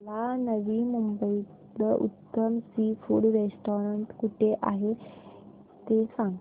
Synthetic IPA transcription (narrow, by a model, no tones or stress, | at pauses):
lanəʋiːmumbəi | ləʔṵt̪ːəmsifuɽɾesʈoɾəɳʈkuʈʰeʔa̰ɦe | t̪esãŋ